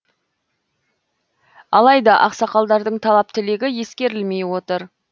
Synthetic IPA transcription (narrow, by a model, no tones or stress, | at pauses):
ɑlˠɑjd̪ɑʔɑqsɑqɑlˠd̪ɑɾd̪əɴt̪ʰɑlˠɑp̚t̪ɪleɡʲɪje̞skʲe̞ɾɪlme̞jwo̞t̪əɾ